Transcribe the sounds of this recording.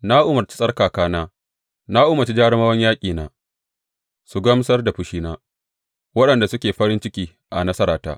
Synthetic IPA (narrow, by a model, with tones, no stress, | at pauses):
na˦ʔʊ˦mɐ˨rt͡ʃi˦sʼɐ˦rkaː˨kaː˦naː˦ | naː˦ʔʊ˦mɐ˨t͡ʃi˦d͡ʒaː˦ɽɪ˦maː˦wɐ˦ɲjaː˦kʲʼiː˨naː˦ | su˨ɡɐ˦msɐ˦rda˨ɸʊ˦ʃiː˦naː˦ | wɐ˦ɗɐ˨nda˨sʊ˦kʲeː˨ɸɐ˦ɾɪ˦nt͡ʃɪ˦kʲiː˦ | ʔa˨nɐ˦sɐ˦ɾaː˨ta̰ː˦